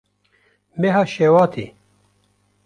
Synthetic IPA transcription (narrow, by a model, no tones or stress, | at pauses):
meɦɐɕeːwaːt̪ʰḭ